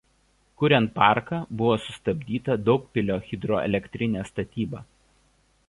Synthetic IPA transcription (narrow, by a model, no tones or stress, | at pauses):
kʊɾʲɛnt̪̚pɑˑɾkɑbʊʋoːsʊst̪ɐbʲd̪ʲiːt̪ɐd̪ɒʊk̚pʲɪlʲoːxʲɪd̪ɾoːɛ̰lʲɛkʲt̪ʲɾʲɪnʲæːst̪ɐt̪ʲiːbɑː